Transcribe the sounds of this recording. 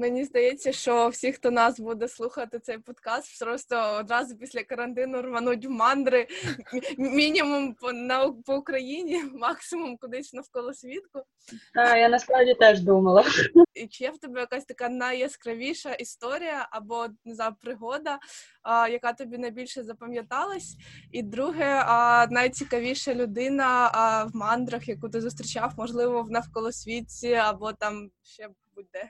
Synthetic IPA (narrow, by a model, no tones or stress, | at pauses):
menʲizd̪ɐjet͡sʲːɐʃt͡ʃɔwsʲixt̪ɔnɑsbud̪ɛslˠuxɐt̪ɪt̪sɛjpɔd̪kɑst̪pɾɔst̪ɔɔd̪ɾɑzʊpʲisʲlʲɐkɐɾɐnt̪ɪnʊrmɐnutʲʋmɑnd̪ɾɪ | mʲinʲimumpɔnɐpɔʊkɾɐjinʲimɑksɪmumkʊd̪ɪsnɐwkɔlˠɔsʲʋʲit̪kʊ | d̪ajanɐspɾawdʲit̪ɛʒd̪umɐlˠɐit͡ʃɪjɛwt̪ɔbɛjɐkasʲt̪ɐkɑnɐjɐskɾɐʋʲiʃɐʔist̪ɔɾʲijɐʔɐbɔnɪzajʊpɾɪɦɔd̪ɐ | jɐkɑt̪ɔbʲinɐjbʲilʲʃɛzɐpɐmʲjɐt̪ɑlˠɐsʲid̪ɾuɦɛnɐjt͡sʲikɐʋʲiʃɐlʲʊd̪ɪnɐwmɑnd̪ɾɐxjɐkut̪ɪzʊst̪ʲɾʲɪt͡ʃɑwmɔʒlˠɪʋɔwnɐfkɔlˠɔsʲʋʲit͡sʲiɐbɔt̪ɑm | ʃt͡ʃɛ | bud̪ɛ